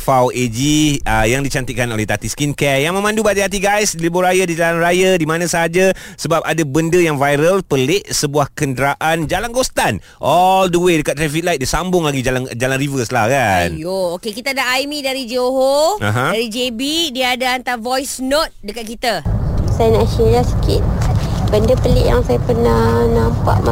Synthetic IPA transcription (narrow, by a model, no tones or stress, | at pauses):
fawed͡ʒiəjaŋdit͡ʃant̪ikanolɛht̪at̪iskinkɛjaŋmə̃mãndubat̪ahat̪̬iɡajsdiləboɾajadid͡ʒalanrajadimãnãsəɦad͡ʒa | səbap̚adabəndəjaŋvajɾəlpəleʔsəbuahkəndəɾaʔand͡ʒalanɡost̪an | ʔɔldəwedəkat̪ːɾafilajt̪̚diəsambʊŋlaɡid͡ʒaland͡ʒalanrivəslahkanjookekit̪aadaʔajmĩdaɾid͡ʒoɦoa̰ɦãdaɾid͡ʒebidiadaant̪aɾvɔjsnot̪̚dəkat̪̚kit̪asajənaʔʃiɾasə̥kɪ̰t̪̚bəndəpəlɪ̰ʔja̰ŋsajapərnanampa̰ʔma